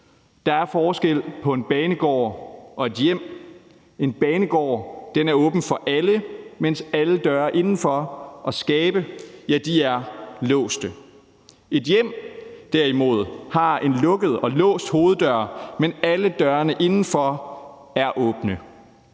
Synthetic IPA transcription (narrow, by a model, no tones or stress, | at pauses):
d̥ɑ̈æɐfɒːsɡ̥el̰pʰɒ̽e̝nb̥ɛːnəɡ̥ɒ̰ːʔɒ̽e̝d̥jem̰ | e̝nb̥ɛːnəɡ̥ɒ̰ːd̥enæɐɔ̽ːb̥n̩fɒ̽ʔæləmen̰sæləd̥ɶːɐʔe̝nn̩fɒ̽ʔɒ̽sɡ̥ɛːb̥əjæd̥iæɐlɔ̰̽ːsd̥ə | e̝d̥jem̰d̥æɐ̰imo̝ð̞̰ˠhɑ̈e̝nlɔ̽ɡ̥əð̞̩ˠɒ̽lɔ̰̽ːsd̥ho̝ːð̞̩ˠd̥ɶɐmenæləd̥ɶːɐnəʔe̝nn̩fɒ̽ | æɐʔɔ̽ːb̥nə